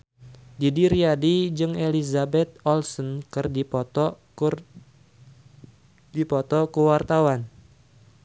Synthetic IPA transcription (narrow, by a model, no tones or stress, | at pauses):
didiɾiadid͡ʒɨŋelizabɛt̪̚ɔlsɔnkɨrdipɔt̪ɔ | dipɔt̪ɔkuwart̪awan